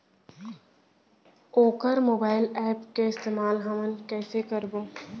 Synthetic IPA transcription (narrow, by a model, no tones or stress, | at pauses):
oːkəɾmoːbaːɪlɛːpkeɪst̪eːmaːlɦɐmənkɛːsekəɾboː